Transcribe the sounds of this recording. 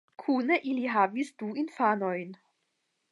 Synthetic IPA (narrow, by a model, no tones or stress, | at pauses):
kʰuːnəʔiliɦavisd̥uːɪnfaːnɔʏn